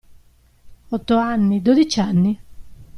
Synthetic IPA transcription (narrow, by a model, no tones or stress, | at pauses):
ɔt̪ːoanːid̪od̪it͡ʃanːi